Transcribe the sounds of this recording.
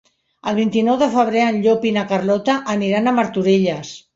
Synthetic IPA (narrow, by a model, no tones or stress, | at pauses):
əlˠβ̞int̪inɔwðəfəβ̞ɾeənʎopinakarlɔt̪aʔːniɾanəməɾt̪uɾeʎəs